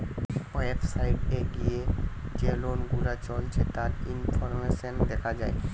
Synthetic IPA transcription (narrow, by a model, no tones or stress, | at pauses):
epsajʈeɡijed͡ʑelonɡuɾat͡ʃɔlt͡ɕʰet̪aɾinfʰɔɾmeʃɔnd̪ɛkʰad͡ʑae